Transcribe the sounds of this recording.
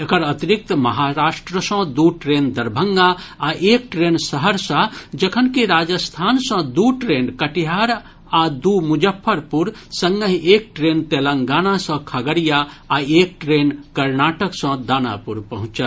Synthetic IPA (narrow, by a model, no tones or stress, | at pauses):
ekəɾət̪iɾik̚t̪mɐɦaɾaːʃʈɾəsə̃d̪uʈɾend̪əɾbʱəŋɡa | aʔeːk̚ʈɾensəɦəɾsãd͡ʒəkʰənkiɾaːd͡ʒəst̪ʰaːnsə̃d̪uʈɾeːnkəʈiɦaɾ | ad̪umud͡ʒəpʰːəɾpuɾsə̃ŋɡəɦek̚ʈɾent̪eləŋɡaːnasə̃kʰəɡəɾijaː | eːk̚ʈɾenkɐɾnaʈəksə̃d̪aːna̰puɾpəɦũt͡ʃə